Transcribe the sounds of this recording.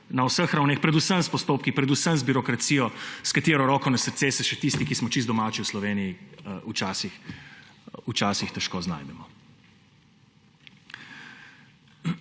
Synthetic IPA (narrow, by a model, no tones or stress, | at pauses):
nawsəxɾawnexpɾɛd̪usəmspɔst̪oːpkipɾɛd̪usəmzbiɾɔkɾat̪siːjɔskat̪eːɾɔɾɔːkɔnɛsəɾt̪seːsɛʃɛt̪ist̪ikismɔt͡ʃizɔmaːt͡ʃiwslɔʋeːnijiut͡ʃaːsix | ut͡ʃaːsixt̪ɛʃkoːzna̰ːjd̪ɛmɔ